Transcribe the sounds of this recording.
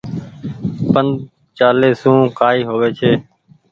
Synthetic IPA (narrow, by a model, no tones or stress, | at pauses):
pənd̪̚ | t͡ʃaːleːsũːkaːiːɦoːʋeːt͡ʃʰeː